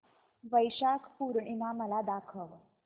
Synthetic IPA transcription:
ʋəjɕakʰpuɾɳimaməlad̪akʰəʋ

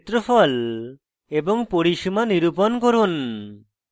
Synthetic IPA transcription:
t̪ɾɔpʰɔl | ebɔŋpoɽiʃimaniɾupɔnkɔɾun

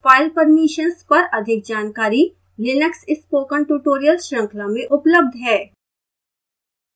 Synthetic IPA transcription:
faːɪlpɐɾmiʃənspɐɾɐd̪ʱɪk̚d͡ʒaːnkaːɾi | lɪnəksɪspoːkə̃nʈuːʈoːɾijəlʃə̃ŋklamẽʔʊpləb̚d̪ʱɦɛː

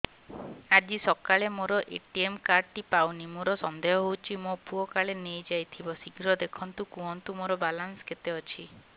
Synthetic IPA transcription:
ad͡ʒisɔkaɭemoɾɔʔeʈiemkaɾɖʈipawnimoɾɔsɔnd̪eɦɔɦowt͡ʃʰimopuɔkaɭenejd͡ʒajt̪ʰibɔsiɡɾɔd̪ekʰɔnt̪ukũɔnt̪umoɾɔbalansket̪eɔt͡ʃʰi

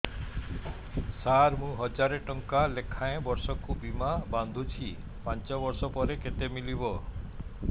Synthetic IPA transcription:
saɾmũɦɔd͡ʒaɾeʈɔŋkalekʰaẽbɔɾsɔkubimaband̪ʱut͡ʃʰi | pant͡ʃɔbɔɾsɔpɔɾeket̪emilibɔ

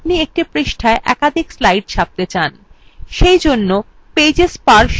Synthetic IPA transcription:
p̚niek̚ʈipɾiʃʈʰaeʔɛ̰kad̪ʱikslajʈʃʰap̚t̪et͡ɕanʃejd͡ʑonːo | ped͡ʑespaɾʃ

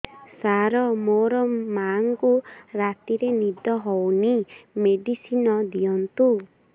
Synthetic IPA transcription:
saɾɔmoɾɔmaŋkuɾat̪iɾenid̪ɔɦɔwnimeɖisinɔd̪iɔnt̪u

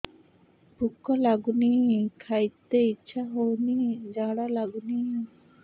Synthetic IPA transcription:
pukɔlaɡunikʰajt̪eit͡ʃʰaɦownid͡ʒaɽalaɡuni

